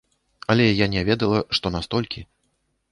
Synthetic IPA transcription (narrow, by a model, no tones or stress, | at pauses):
ɐlʲɛjanʲɛvʲɛd̪ɐlˠɐʂt̪ɔnast̪ɔlʲkʲi